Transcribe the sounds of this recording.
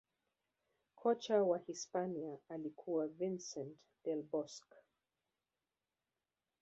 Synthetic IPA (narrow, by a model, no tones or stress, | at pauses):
kʰɔt͡ʃawahispaniaːlikʰuwavinsɛ̃nt | d̥ɛlbɔsk